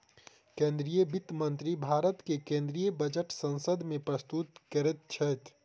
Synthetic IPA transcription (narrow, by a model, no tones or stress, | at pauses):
kẽnd̪ɾijəbit̪mənt̪ɾibʱaːɾət̪kekẽːnd̪ɾijəbəd͡ʒəʈsə̃nsəd̪ʱmẽpɾəst̪ut̪kəɾet̪̚t͡ʃʰət̪ʰ